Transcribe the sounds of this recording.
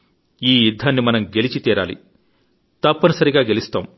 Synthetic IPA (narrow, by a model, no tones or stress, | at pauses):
iːjid̪ʱːaːnːimɐnɐmɡe̞lit͡ʃit̪iːɾa̰ːlḭ | t̪ɐpːɐnɐsɐɾiɡaːɡe̞list̪aːm